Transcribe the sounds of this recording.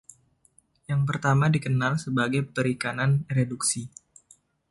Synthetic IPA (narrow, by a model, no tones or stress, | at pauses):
jaŋp̬ərt̪amadikənalsəbaɡajpəɾikananreduksi